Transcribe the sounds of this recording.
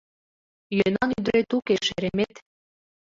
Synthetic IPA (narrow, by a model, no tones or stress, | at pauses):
jønɑnyd̪ɾet̪ukeʃeɾemet̪